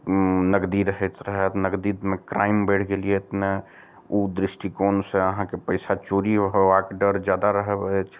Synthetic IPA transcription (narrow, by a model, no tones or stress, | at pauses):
nəɡd̪iɾəɦɛt̪ɾəɦɛt̪nəɡd̪it̪mẽkɾaːɪmbɛːʈʰɡeliet̪ne | ud̪ɾɪsʈikoːnseəɦãkepəɪsat͡ʃoːɾiəɦoakɖəɾd͡ʒjaːd̪aɾəɦɛbɛt͡ʃʰ